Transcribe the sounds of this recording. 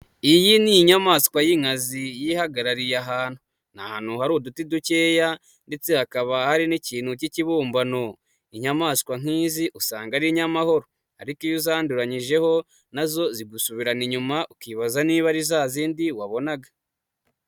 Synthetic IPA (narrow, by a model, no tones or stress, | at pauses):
ijinijiɲamaːskwajiŋazijihaɡaɾaɾijaɦaːn̥hu | nahaːn̥huhaɾudutiduceːja | nde̞t͡se̞hakaβahaɾiniciːn̥huciciβuːmbano̞ | iɲamaːskwaŋ̥iːziʔusaːŋɡaɾiɲamaho̞ɾo | a̰ɾikijozaːnduɾaɲiʒe̞ho̞ | nazo̞ziɡusuβiɾaniɲumaʔukiβazaniːβaɾizaːziːndiwaβo̞naɡa